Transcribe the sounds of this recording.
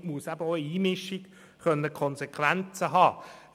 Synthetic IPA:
muəsæbəoəiːmɪʃiɡ | χœnːəkʰɔnsekχʋænt͡səɦɑː

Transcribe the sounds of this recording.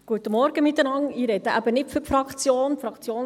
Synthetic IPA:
ɡ̥uət̪əmɔɾɡ̥əmɪt̪ːənɑŋɪːɾɛd̥̪əʔæb̥ənɪtfʏɾfɾɑkt͡sjoːnfɾɑkt͡sjoːn

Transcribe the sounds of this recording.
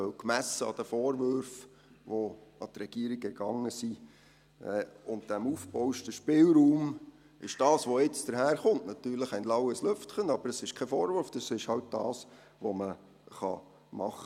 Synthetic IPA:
œwkmæsəɑ̰d̥əfoːɾvøɾf | ʋoɑt̪ɾɛɡ̥iəɾiɡɛɾɡ̥ɑŋːəsi | ɛːʊnt̚d̥æmuːfbɔʊɪʃtəʃpɪlɾuːm | ʔɪʃd̥ɑːsʋoɪt͡sd̥əɾɦæːɾχʊntnɑt̪yːɾləχæɪnlɑwəsløftχənɑbəɾəsɪʃkʰɛfɔːɾvøɾfd̥əsɪʃhɑwt̚d̥ɑ̰ːs | ʋomə | χɑ̰ | mɑχə

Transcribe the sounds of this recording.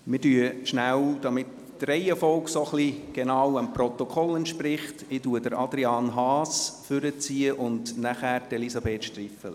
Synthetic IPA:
mɪɾdyːəʃnæwd̥ɑmɪt | trɛɪəfɔlksoχliɡ̥enɑwəmprɔt̪ɔkʰɔlɛntʃprɪχtɪtuːədəɾɑd̪ɾiɑːnɦɑːsfʏɾət͡siːəʔʊndnæχæːɾd̥ɛlisɑbeːtʃtrifəl

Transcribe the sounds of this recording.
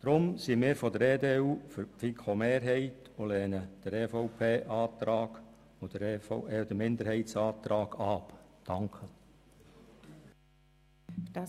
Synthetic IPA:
d̪̥ɾʊmsimɪːɾfɔdəɾeːdeːuːfʏɾfikʰomeːɾɦɛɪt | olɛːnəd̥əɾɛːfɔʊpʰeːʔɑːt̪ɾɑːɡ̥ | od̥əɾfeːdəmɪnd̪əɾɦɛɪtsɑːt̪ɾɑːɡ̥ɑpd̪̥ɑŋkʰə

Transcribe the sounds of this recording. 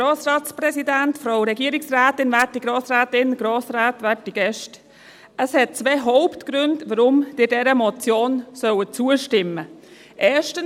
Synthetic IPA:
ɡɾoːsɾɑːtsprɛsidæntfɾowɾɛɡiəɾɪksræːtɪnvæːtiɡ̥ɾoːsɾæːtɪnɡ̥ɾoːsɾaːtʋɛːtiɡ̥ɛʃt | əshɛt̚t͡sveːɦɔʊptɡ̥ɾʏndʋəɾʊmd̥ɪːɾdɛɾəmɔt͡sjoːnsœwət͡suəʃtɪmə | ʔɛːʃtən

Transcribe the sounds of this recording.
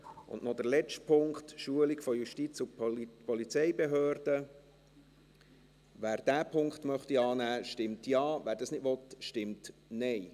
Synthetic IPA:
ʔʊ̰nnɔd̪əɾlɛt͡ʃtpʰʊŋkχt̪ʃuəliɡfɔjuʃtit͡sʊpɔlit͡sɛjbeɦøːɾd̥ə | ʋæːɾd̥æːpʰʊŋkχtmœχtiɑːnæːʃtɪmtjɑːʋæːɾdɑsnɪdʋɔt̪ʃtɪmtnɛɪ

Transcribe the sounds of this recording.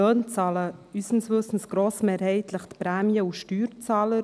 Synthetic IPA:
œːnt͡sɑːləysn̩svɵsn̩sɡ̥ɾoːsmeːɾhɛɪt̪ʰləχt̪pɾæːmjəuʃtyːɾt͡sɑːlə

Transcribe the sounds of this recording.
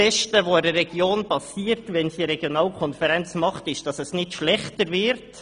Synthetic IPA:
ɛʃtəʋoɪdərːɛɡjoːnpɑsiːəɾtʋɛnsiɾɛɡjonɑːlkʰɔnfɛɾɛnt͡smɑχtɪʃd̥ɑsɛsnɪtʃlɛχtəɾvɪɾt

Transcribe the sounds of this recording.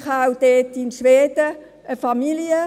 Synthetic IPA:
χawd̥ɛːtɪnʃʋeːd̥ə | əfɑmiliə

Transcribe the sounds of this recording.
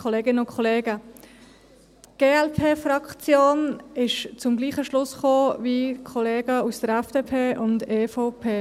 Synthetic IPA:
kʰɔleːɡɪnəʊnkʰɔleːɡə | ɡ̥eːɛlpʰeːfrɑkt͡sjoːnɪʃt͡sʊmɡliːχəʃlʊsχoːvikʰɔleːɡəusd̥əɾɛfd̥eːpʰeːʔʊndeːfaʊpʰeː

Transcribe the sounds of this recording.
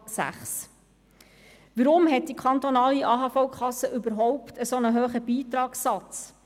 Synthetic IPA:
sæ̰χs | ʋəɾʊmɦɛt̚d̥ikʰɑnt̪ɔnɑːliʔɑːɦɑfɔʊkʰɑsːəʔʏbəɾɦɔʊptəsonəɦøːχəbiːtɾɑːksɑt͡s

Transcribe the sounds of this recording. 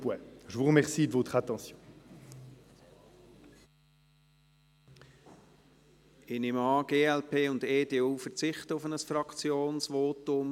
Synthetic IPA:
pwɛʒəvuʁəmɛʁsiːd̪vot̪χəat̪ɑ̃sjɔ̃ | ɪnɪmɑːɡ̥eːɛlpʰeːʊndeːdeːuːfəɾt͡sɪχtəʊfənəsfrɑkt͡sjoːnsvoːtʊm

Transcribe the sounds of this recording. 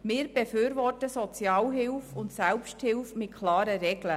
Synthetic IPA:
mɪːɾb̥efyːɾvɔrtəsɔt͡sjɑːlɦɪlfʊntsɛlpʃthɪlfmɪtkʰlɑːɾəɾɛɡlə

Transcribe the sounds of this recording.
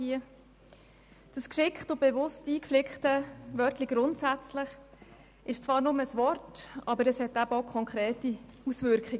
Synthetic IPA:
iə | d̥əskʃɪkχtʊbevʊstiːkflɪkχtəvœrtliɡ̥ɾʊntsæt͡slɪχ | ɪʃt͡svɑːɾnʊməəsvɔrtɑbəɾəshɛtæbəɔʊkʰɔŋkʰɾeːtiusvʏɾkχɪɡə

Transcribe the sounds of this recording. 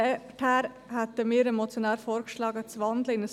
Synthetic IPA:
ɛʈʰæːɾ | hɛt̪əmiːɾɛmot͡sjonæːɾfoːɾkʃlɑːɡət͡sʋɑnd̪ləɪnə

